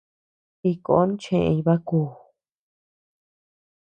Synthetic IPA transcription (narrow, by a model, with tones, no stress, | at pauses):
i˧ko̰˨˧˦n˦t͡ʃẽ˧ʔẽ˧ĩ˧βa˦kuː˧˨